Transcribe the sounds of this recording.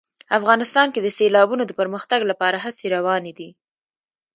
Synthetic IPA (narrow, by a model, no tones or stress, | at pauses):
afɣɑnɪst̪ɑnked̪əselɑbunod̪əpəɾməxt̪aɡlapɑɾaɦaseɾawɑned̪i